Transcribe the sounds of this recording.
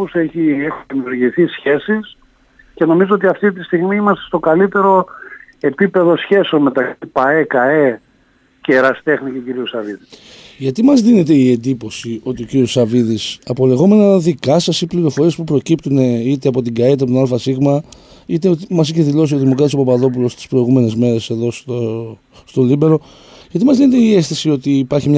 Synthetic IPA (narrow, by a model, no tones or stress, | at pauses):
useçiexuimiuɾʝiθisçe̞sis | ce̞no̞mizoot̪iɐft̪it̪̬ist̪iɣmiimɐst̪est̪o̞kɐlit̪e̞ɾo̞e̞pipe̞ðo̞sçe̞seo̞nme̞t̪ɐkipɐekɐe | ceɾɐst̪e̞xniceociɾiusɐviðis | ʝɐt̪imɐzðine̞t̪e̞ie̞nd̪ipo̞sio̞t̪iociɾiosɐviðisɐpo̞le̞ɣo̞me̞nɐðikɐsɐsipliɾo̞fo̞ɾiespupɾo̞cipt̪une̞it̪eɐpo̞t̪iɡɐeit̪epot̪nɐlofɐsiɣmɐ | it̪eot̪imɐsiçe̞ðilo̞sioðimo̞kɾɐt̪isopɐpɐðo̞p̬ulo̞st̪i̥spɾo̞iɣume̞ne̞zme̞ɾe̞se̞ðo̞st̪o | st̪o̞libe̞ɾo̞ | ʝɐt̪imɐzðinet̪eie̞sθisio̞t̪iːpɐɾçimɲ